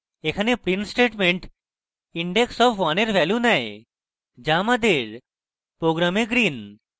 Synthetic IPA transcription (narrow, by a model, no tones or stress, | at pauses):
ekʰanepɾinsʈeʈmeɳʈ | iɳɖeksɔbʰʋaneɾʋʱɛljunae | d͡ʑamad̪eɾ | pɾoɡɾameɡɾin